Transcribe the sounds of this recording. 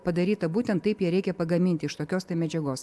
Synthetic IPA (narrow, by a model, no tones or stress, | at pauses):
pɐd̪ɐɾʲiːt̪ɐbuːt̪ʲɛnt̪t̪ːɐɪpjiɛɾʲɛɪkʲɛpɐɡɐmʲɪnʲt̪ʲɪʃt̪oːkʲoːst̪ɐɪmʲɛd͡ʒʲɛɡoːs